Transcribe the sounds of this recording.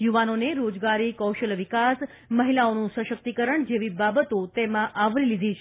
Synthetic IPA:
juʋanoneɾod͡ʒɡaɾikəwʃəlʋikas | məɦilaonũsə̃ʃək̚t̪ikəɾəɳd͡ʒeʋibabət̪ot̪emãʔaʋlilid̪ʱit͡ʃʰ

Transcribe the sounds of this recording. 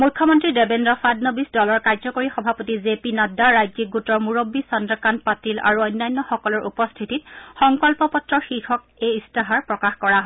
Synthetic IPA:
mujkʰːɔmɔntɹidebendɹɔfadnobisdɔlɔɹkajzɔkoɹixɔbʱapotizepinɔdaɹajzik̚ɡutɔɹmuɹobːisɔndɹɔkanpatila̰ɹuɔjnːajnːɔxɔkɔlɔɹʔupɔstʰitit̚xɔŋkɔlpɔpɔtɹɔxixʰɔk̚ | eistaɦaɹpɹɔkaxkɔɹaɦɔ

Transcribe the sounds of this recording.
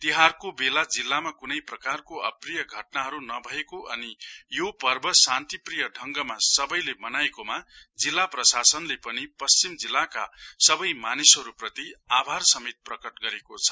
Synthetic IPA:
t̪iɦarkobelad͡zilːamakunʌjprʌkarkoʌ̰prijʌɡʱʌʈnaɦʌɾunʌbʱʌekoʔʌnijopʌrbʱʌsant̪iprijʌɖʱʌŋɡʌmasʌbʌjlemʌnajekomad͡zilːaprʌsasʌnlepʌnipʌst͡simd͡zilːaka̰sʌbʌjmanisɦʌɾuprʌt̪iabʱarsʌmet̪̚prʌkʌʈɡʌɾekot͡sʰʌ̥

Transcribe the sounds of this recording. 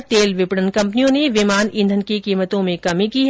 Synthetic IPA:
t̪eːlʋɪpɽənkɐ̃mpnijõneʋɪmaːnɪ̃nd̪ʱənkikiːmət̪õmẽkɐmikiɦ

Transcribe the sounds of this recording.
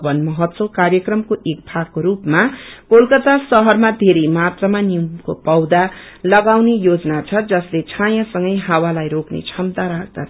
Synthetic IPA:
bʌnmʌɦʌt̪sokarjʌkrʌmkoʔek̚bʱaɡkoɾupmakolkʌt̪asʌɦʌrmad̪ʱeɾejmat̪rʌmanimkopʌwd̪a | lʌɡawnejod͡znat͡sʰʌd͡zʌslet͡sʰãjʌ̃sʌŋɡʌjɦawalajɾoknḛt͡sʰʌmd̪aɾakʰd̪a

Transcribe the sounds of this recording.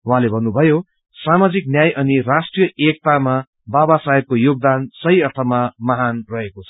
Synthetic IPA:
wɦãlebʱʌnːubʱʌjo | samad͡zik̚njajʔʌnirasʈrijʌʔek̚t̪ama | babasaekojoɡ̚d̪ansʌɦiʌrt̪ʰʌmamʌɦanrʌɦekot͡sʰʌ̥

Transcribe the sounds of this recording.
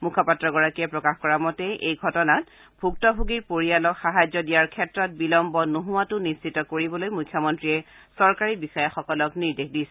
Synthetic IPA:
mukʰɔpatɹɔɡɔɹakiɛpɹɔkaxkɔɹamɔtɛʔejɡʱɔtɔnat | bʱuk̚tɔbʱuɡipoɹijalɔxaɦajzɔdijaɹkʰɛtɹɔt̚bilɔmbɔnoɦuwatʊnisitɔkoɹibɔlojmujkʰːjɔmɔntɹiɛ | sɔɹkaɹibisɔjaxɔkɔlɔkniɹdexdisɛ

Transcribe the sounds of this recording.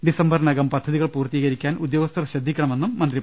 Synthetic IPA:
ɖisɐmbɐrnɐɡɐmpɐd̪ʱːɐðiɣɐɭpuːrt̪iːɣɐɾikʲːaːnud̪jo̞ːɡɐst̪ʰɐrɕɐd̪ʱːikʲːɐɳɐme̞nːumːɐnd̪ri

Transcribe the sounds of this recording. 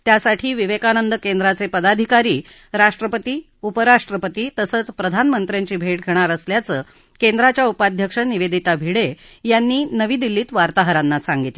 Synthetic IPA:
t̪jasaʈʰiːʋiʋekanənd̪əkend̪ɾat͡sepəd̪ad̪ʱikaɾiː | ɾaʂʈɾəpət̪iː | upəɾaʂʈɾəpət̪iːt̪əsəːt͡spɾəd̪ʱanmənt̪ɾjaɲt͡ɕiːbʱeʈ̚ɡʱeɽ̃aɾəsljat͡səː | kend̪ɾat͡ɕjaupad̪ʱjəkʂəniʋed̪ʱit̪abʱiɽejanːiːnəʋiːd̪ilːiːt̪ʋaɾt̪aɦəɾanːasaŋɡit̪le

